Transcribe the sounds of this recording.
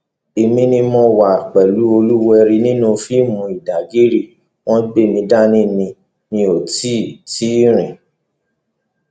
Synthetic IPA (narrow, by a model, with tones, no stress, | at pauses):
e˧mĩ˦nĩ˧mɔ̃˧wa˨k͡pɛ˨lu˦o˧lu˦wɛ˧ɾi˧nĩ˦nũ˧fi˦mũ˧i˨da˨ɡi˦ɾi˦˨ | w̃ɔ̃˦be˦˨mĩ˧da˦nĩ˦nĩ˧ | nĩ˧o˨ti˦ti˦ɾ̃ĩ˨